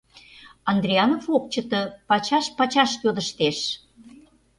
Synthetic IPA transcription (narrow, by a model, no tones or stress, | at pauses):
ɑnd̪ɾʲiɑnofok̚t͡ɕət̪ɤ̆pɑt͡ɕɑʃpɑt͡ɕɑʃjod̪əʃt̪eʃ